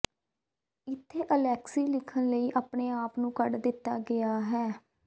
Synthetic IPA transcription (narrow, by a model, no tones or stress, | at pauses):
ɪt̪ʰːeːʔəlɛːksiːlɪkʰənləiːʔaːpɳeːaːpnũːkəɖd̪ɪt̪ːaːɡɪaːɦɛː